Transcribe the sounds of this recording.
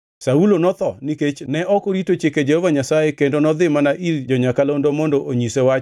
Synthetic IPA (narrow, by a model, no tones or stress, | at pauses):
saulonɔt̪ɔniket͡ʃnɛʔɔkoɾitot͡ʃeked͡ʒehovaɲasajekendonɔd̪ɪmanaʔiɾd͡ʒɔɲakalondomɔndoʔoɲisewat͡ʃ